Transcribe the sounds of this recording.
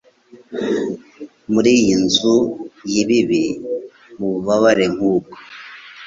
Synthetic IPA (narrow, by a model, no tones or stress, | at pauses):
muɾijinzujiβiβi | muuβaβaɾeŋ̥uːko̥